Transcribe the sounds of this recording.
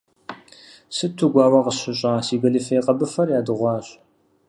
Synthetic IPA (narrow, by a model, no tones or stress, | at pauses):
sɨtʰuɡʷɑːwɐqəɕɪɕʼaːsiːɡɐlɨfɐjqʼɐbɨfɐrjaːdɨʁʷɑːɕʼ